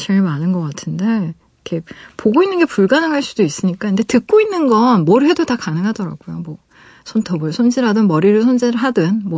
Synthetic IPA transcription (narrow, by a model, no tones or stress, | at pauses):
t͡ɕeɭmanɯnɡʌk͈atʰɯnde̞ | ikʰe̞poɡoinːɯnɡe̞puɭɡanɯŋɦaɭs͈udois͈ɯɲik͈aɯnde̞tɯk̚k͈oinːɯnɡʌnmʌɾɯɦe̞dotakanɯŋɦadʌɾa̰ɡ̥ujomwʌ | sʰontʰʌbɯɭsʰond͡ʑiɾadɯnmʌɾiɾɯsʰond͡ʑeɾɯɭɦadɯnmwʌ